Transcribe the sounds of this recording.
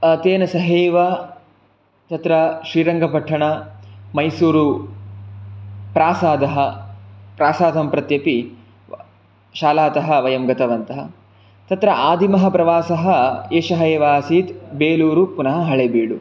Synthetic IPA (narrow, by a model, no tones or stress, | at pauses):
ɐt̪eːnɐsɐɦeːʋa | t̪ɐt̪ɾɐʃɾiːɾɐŋɡʱɐpɐʈʰːɐɳɐmɐjsuːɾu | pɾaːsaːd̪ɐɦɐpɾaːsaːd̪ʱɐmpɾɐt̪jɐpi | ʃaːlaːt̪ɐɦɐ̆ʋɐjɐmɡɐt̪ɐʋɐnt̪ɐɦɐ̰ | t̪ɐt̪ɾɐʔaːd̪ʱimɐɦɐpɾɐʋaːsɐɦɐeːʃɐɦɐeʋaːsiːt̪beːluːɾupunɐɦɐɦɐɭebiːɽu